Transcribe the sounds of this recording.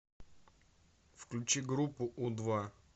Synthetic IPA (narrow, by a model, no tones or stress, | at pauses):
fklʲʊt͡ɕiɡɾupːʊʔud̪va